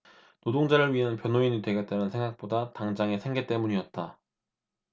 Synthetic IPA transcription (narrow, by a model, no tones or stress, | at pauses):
nodoŋd͡ʑaɾɯɭɥiɦanpjʌnoiɲitwe̞ɡat͈anɯnsʰe̞ŋɡak̚p͈odataŋd͡ʑaŋe̞sʰe̞ŋɡe̞t͈e̞muɲiʌt̚t͈a